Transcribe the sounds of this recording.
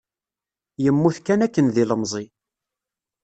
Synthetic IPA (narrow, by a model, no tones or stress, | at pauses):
jəmːuθkænækːənðiləmzˤi